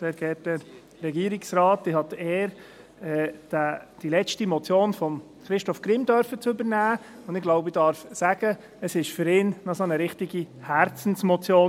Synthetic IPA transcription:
sɛɾɡ̥ɛːt̚dɛɾ | ɾɛɡiːɾɪksɾɑːtːɪhɑt̪eːɾ | ɛd̥æd̥ilɛt͡stimɔt͡sjoːnfɔm | χɾɪʃtɔfkɾɪmdœɾfət͡sɵbəɾnæː | ʊnd̥̪ɪɡ̥laʊbɪdɑɾfsæɡ̥ə | əsɪʃfʏɾɪːnnɑsonəɾɪχtiɡi | hæɾt͡sn̩smɔt͡sjoːn

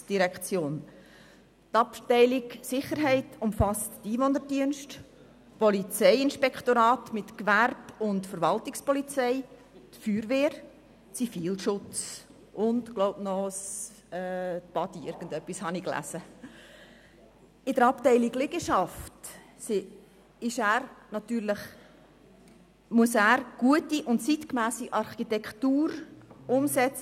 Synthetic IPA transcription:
d̥iɾɛkt͡sjoːn | tɑptɛɪlɪksɪχəɾɦɛɪtʊmfɑstːiːvɔnəɾdiənʃt | pɔlit͡sɛɪɪnʃpɛkχtoɾɑːtmɪtkvæɾb̥ʊntfəɾʋɑltɪkspɔlit͡sɛɪ | t̪fyːɾveːɾ | t͡sifiːlʃʊt͡s | ʔʊntkloʊbnɔs | ɛːb̥ɑdiɪɾɡ̥ən̩dœpːishɑniklæ̰sə | ɪdəɾɑptɛɪliɡlɪɡəʃɑft | se | ɪʃæːɾnɑtyːɾləχ | muəsæːɾɡ̥uətiʔʊntt͡sitkmæːsiʔɑɾχitɛkʰtuːɾʊmsɛt͡sə

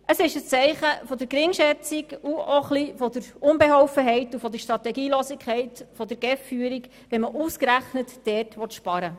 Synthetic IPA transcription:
ʔəsɪʃəst͡sɛɪχəfɔd̪əɾkɾɪŋʃɛt͡sikuoχlifɔd̪əɾʊnbɛɦɔʊfəɦɛɪtufɔd̪əʃt̪ɾɑt̪ɛɡiːloːsɪkʰɛɪtfɔd̪əɾɡ̥ɛfːyːəɾik | ʋɛməʔuːskɾæχnətːɛːrtʋɔt̪ʃpɑɾə

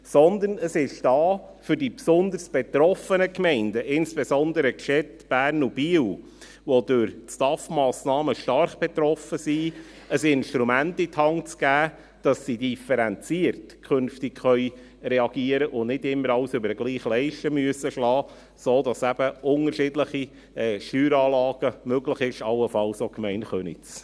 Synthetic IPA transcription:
sɔnd̪ənəsɪʃd̥ɑː | fʏɾdipsʊnd̪əɾsb̥ɛt̪ɾɔfənəkmɛɪndəʔɪnsb̥ezɔnd̪əɾəkʃɛ | b̥æːɾnub̥iːw | ʋodøɾstɑfmɑːsnɑːməʃtɑrχb̥ɛt̪ɾɔfəsiː | əsɪnʃtɾumæntitʰhɑŋt͡sɡ̥æː | d̥ɑsːidifɛɾɛnt͡siːəɾtkʰχønftikχœʏ | rɛɑɡiəɾəʔʊnnɪdɪmːəɾɑʊsʏbəɾəɡ̥liːχlɛɪʃtəmyəsəʃlɑː | soːd̪ɑsæb̥əʔʊŋəɾʃɪdləχi | ɛʃtyːɾɑːlɑːɡ̥əmøɡləχɪʃɑlːəfɑlsokmɛɪnχœnḭt͡s

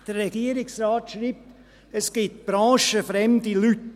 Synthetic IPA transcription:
d̥ərːɛɡ̥iəɾɪksraːtʃriːp̚t | əsɡ̥ɪt̚b̥ɾɑ̃ːʃəfɾɛmdilyt

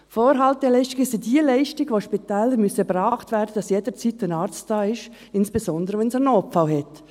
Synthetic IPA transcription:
foːɾɦɑltɛlɛɪʃtɪɡɪsɪdilɛɪʃtɪɡʋoːʃpit̪ɛːləɾmysəbɾɑːχtvɛːɾdəd̥ɑsjeːdət͡siːtɛnɑːɾt͡std̥ɑːɪʃ | ɪnsb̥esɔnd̪əɾəʋɛnsɛnoːpfawhɛt

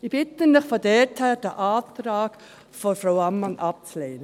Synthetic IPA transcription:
ib̥ɪtənɪχfodɛthæːɾd̥əʔaːtɾaːk | fɔfɾaʊɑmːɑnʔɑp̚t͡sleːnə

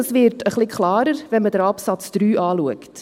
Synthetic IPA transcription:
ɑsvɪɾtʰəχlikʰχlɑːɾəɾvɛnmədɾɑpsɑt͡sd̪̥ɾyːʔɑːluəkt

